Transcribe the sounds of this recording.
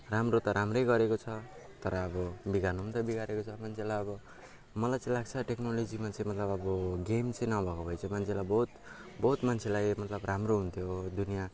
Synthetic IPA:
ramrot̪ʌɾamrʌjɡʌɾekot͡sʰʌt̪ʌɾʌːbʌbiɡanumt̪ʌbiɡaɾekot͡sʰʌmant͡sʰelajʌbʌ | mʌlajt͡sʌ̃ĩlaɡ̚t͡sʰʌʈeknolod͡zimat͡sʌj̃mʌt̪lʌbʌbʌɡemt͡sʌ̃j̃nʌbʱʌkopʰʌjt͡sʰʌmant͡sʰelajbʌɦut̪ | bʌɦut̪mant͡sʰelajmʌt̪lʌbramroɦunt̪ʰjod̪unija

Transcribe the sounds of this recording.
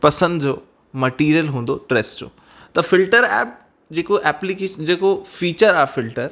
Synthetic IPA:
pɐsə̃nd̪d͡ʑoː | mɐʈiːɾijəlɦũːnd̪oʈɾeːsd͡ʑo̰ː | t̪ɐfɪlʈəɾɛ̰ːp̚ | d͡ʑeːkoʔɛːplikeːʃnd͡ʑeːkofiːt͡ɕəɾaɦfɪlʈəɾ

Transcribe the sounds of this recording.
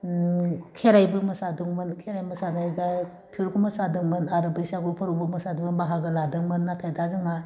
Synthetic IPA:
kʰeɾajbɯmɐsadɯŋmɯnkʰeɾajmɐsanajɡa | pʰiɾkʰumɐsadɯŋmɯnaɾɯbajsaɡupʰɯɾubɯmɐsaduŋanbaɦaɡɯladɯŋmɯnːatʰajdazɯŋa

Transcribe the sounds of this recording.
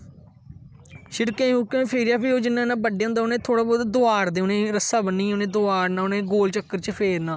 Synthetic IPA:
ʃɪɽkẽːukẽːpʰeːɾɪjaːpʰiːɦoːd͡ʒɪnːãːnãːbəɖeãʊ̃ːnd̪aːʊnẽːt̪ʰoːɽaːbɔːd̪d̪oaːɾd̪eːʊnẽːɾəsaːbənːiːʊnẽːd̪oaːɾnãːʊnẽːɡoːlt͡ʃəkːəɾt͡ʃəpʰeːɾnãː

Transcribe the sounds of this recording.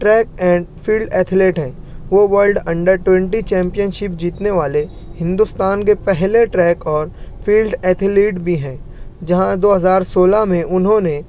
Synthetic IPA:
ʈɾɛːkɛ̃ːɳfʰiːlɖɛːt̪ʰleːʈɦɛ̃ː | ʋoʋəɾlɖɐ̃ɳɖəɾʈwɛ̃ɳʈit͡ʃɛ̃ːmpijənʃɪp̚d͡ʒiːt̪neʋaːle | hɪ̃nd̪ʊst̪aːnk̬epɛɦleʈɾɛːkɔːɾfʰiːlɖɛːt̪ʰɪliːʈbʱiɦɛ̃ːd͡ʒɐɦãd̪oːɦɐzaːɾsoːlamẽʔʊnɦõne

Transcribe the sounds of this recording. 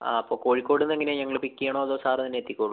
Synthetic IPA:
a̰ɐpːoːko̞ːɻikʲːo̞ːɽenːeŋːɐneɲɐŋːɐɭpikʲːijaːɳoːɐðoːsaːrɐt̪ɐnːeːt̪ːikʲːoːɭu

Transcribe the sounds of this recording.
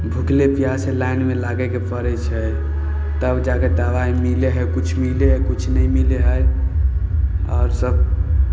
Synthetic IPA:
bʱuklepijaselainmelaɡɛkepəɾɛt͡ʃʰɛ | t̪əbd͡ʒaked̪awaimileɦəjkut͡ʃʰmileɦkut͡ʃʰnəjmileɦəj | ɔʊɾsəb̚

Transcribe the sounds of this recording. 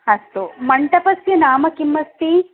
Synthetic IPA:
hɐst̪umɐɳʈɐpɐsjɐnaːmɐkimːɐst̪i

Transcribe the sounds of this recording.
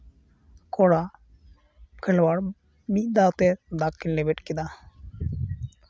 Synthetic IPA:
kʰɔɽa | kʰelwaɾ | mid̪at̪eɾd̪akːinlebeʈkid̪a

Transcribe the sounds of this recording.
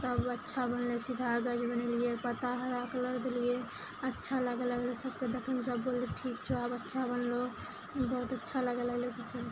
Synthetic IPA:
t̪əbətːʃʰabənlesɪd̪ʱaɡəd͡ʒbənelieɾpət̪aɦəɾaklod̪elije | ətːʃʰaləɡələɡlesəb̚ked̪əkʰəmsəbboleʈʰiːkt͡ʃʰoabətːʃʰabənlo | bəɦut̪ətːʃʰaləɡələɡlesəb̚ke

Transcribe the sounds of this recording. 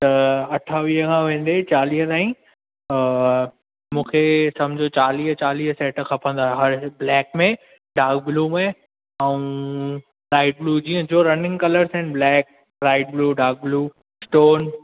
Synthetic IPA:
t̪ɐɐʈʰaːʋiɦəkʰãʋẽːn̆d̪et͡ɕaːliːɦət̪aːĩ | mũːkʰesɐ̃md͡ʑʱot͡ɕaːliːɦt͡ɕaːliːɦəsɛːʈxʰɐpʰə̃nd̪aːɦeɦɐɾblɛːkmẽ | ɖaːkbluːmẽ | aũ | ɾaːɪʈ̚bluːd͡ʑiːə̃d͡ʑoːɾɐnɪ̃ŋɡkɐləɾsɦɪnɪblɛːk̚ | ɾaːɪʈ̚bluːɖaːɡ̚bluː | sʈoːn

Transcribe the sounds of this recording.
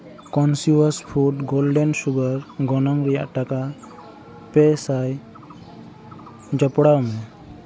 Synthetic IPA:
kɔnsjuwaspʰuʈɡɔlɖɛnsuɡaɾɡɔnɔŋɾijaʔʈaka | pɛsaj | d͡ʒapɔɽawmɛ

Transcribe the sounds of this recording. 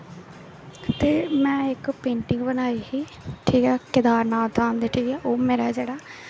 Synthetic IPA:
t̪eːmɛ̃ːɪkpẽːɳʈɪ̃ŋɡbənaːiɦiː | ʈʰiːkɛːkɪd̪aːɾnaːlt̪ʰaːnd̪eːʈʰiːkɛːʔoːmeːɾaːɛd͡ʒeːɽaː

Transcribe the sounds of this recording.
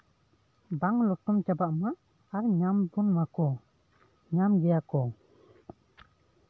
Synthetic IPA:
baŋlɔk̚tɔmt͡ʃabaʔma | aɾɲambunmakɔ | ɲamɡejakɔ

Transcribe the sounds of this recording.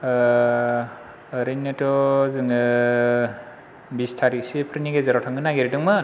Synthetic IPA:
ɾɯnetɔzɯŋɯ | bistʰaɾiksipʰɾiniɡezaɾɔtʰaŋɡɯnaɡeɾidɯŋmɯ

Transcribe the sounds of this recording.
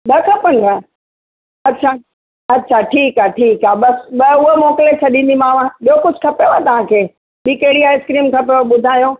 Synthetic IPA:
ɓɐkʰɐpɐnʱa | ɐtːɕʰaː | ɐtːɕʰaʈʰiːkaːʈʰiːkaːɓɐsɓɐʊɦemoːkɪlet͡ɕʰɐɗĩːn̆d̪imaːʋãɓijokʊd͡ʑʱɪkʰɐpejoat̪ɐʋ̤ãkʰeː | ɓiːkɐɦɪɽiaːɪskɾiːmkʰɐpeoɓʊd̪ʱaːjoː

